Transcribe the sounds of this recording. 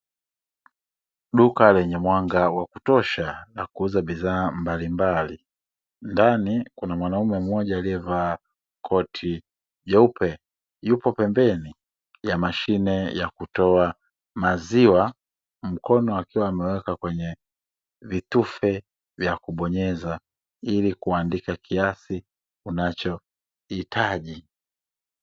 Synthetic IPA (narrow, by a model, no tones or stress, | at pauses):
ɗukalɛɲɛmwaŋɡawakutɔʃalakuuzabiðaːmbalimbali | ndanikunamwanaumɛmɔɟaːliɛvaː | kʰɔtʰi | ʄɛupʰɛ | jupɔpɛmbɛni | jamaʃinɛjakutɔa | maziwa | m̩kɔnɔakiwaːmɛwɛkakwɛɲɛ | vitufɛ | vjakuɓɔɲɛza | ilikuandikakʰiasi | unat͡ʃɔ | hitʰaʄi